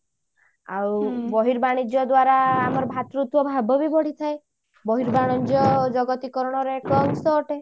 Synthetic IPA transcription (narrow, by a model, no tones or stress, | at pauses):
a̰wbɔɦiɾbaɽ̃id͡ʒɔd̪waɾaːmɔɾɔbʱat̪ɾut̪wɔbʱabɔbibɔɽ̤it̪ʰae | bɔɦiɾbaɽ̃ɔd͡ʒɔd͡ʒɔɡɔt̪ikɔɾɔɽ̃ɔɾeːkɔːŋsɔːʈe